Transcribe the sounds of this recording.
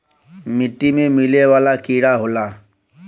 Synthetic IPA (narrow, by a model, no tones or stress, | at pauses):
mɪʈːimẽmɪleʋaːlakiɽaɦoːla